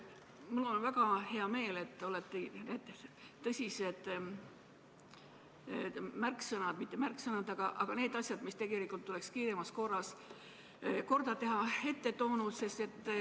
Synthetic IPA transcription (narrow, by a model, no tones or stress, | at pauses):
mulːonvæɡ̥ɑhe̞ɑme̞ːle̞t̪ːˑo̞let̪ːˑenet̪ːt̪ɤsʲise̞d̪̥ | mærksɤnɑd̪mit̪ːˑe̞mærksɤnɑd̪ɑɡ̥ɑʔɑɡ̥ɑne̞ːd̪ɑsʲjɑd̪mist̪e̞ɡ̥e̞likːˑult̪ːule̞kskiːɾe̞mɑsko̞rːɑs | ko̞rd̪̥ɑt̪e̞ɦɑe̞t̪ːe̞t̪o̞ːnud̪se̞st̪e̞t̪ːˑ